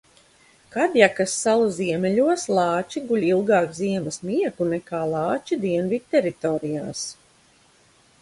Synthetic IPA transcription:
kad̪jakasːalˠuziɛmʲɛlʲuɔslˠɑːt͡ʃiɡulʲilˠɡaːkziɛmɐsmʲiɛkunɛkaːlˠɑːt͡ʃid̪iɛnvid̪̥̚ʲt̪ɛɾit̪oːɾijaːs

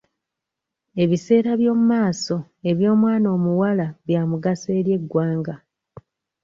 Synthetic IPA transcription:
e̞βise̞ːɾaβjo̞ːmumaːso̞ | e̞βjo̞ːmwaːno̞ːmuwalaβjaːmuɡase̞ːɾje̞ɡːwaːŋɡa

